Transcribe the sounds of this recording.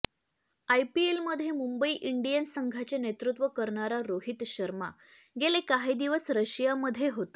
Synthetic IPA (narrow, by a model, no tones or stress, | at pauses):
ajpielməd̪ʱːjemumbəiːʔiɳɖijənsəŋɡʱat͡ɕenet̪ɾut̪ʋəkəɾɳaɾaɾoɦit̪ɕəɾma̰ | ɡelekaɦid̪iʋəsɾəɕijaməd̪ʱjeɦot̪ə̥